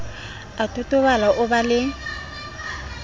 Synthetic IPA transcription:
atʼʊtʼʊbalaʔʊbalɪ

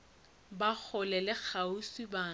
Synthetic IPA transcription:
bak͡xʰʊlɛlɪk͡xʰausiba

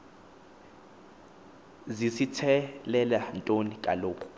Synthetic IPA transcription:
zisitʰɛlɛlantʼonikʼa̰loːkʰʼɔ̥

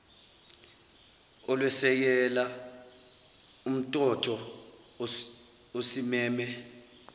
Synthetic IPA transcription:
ɔlwɛsɛk̬ɛla | um̩tʼɔtʰɔ | osimɛːmɛ

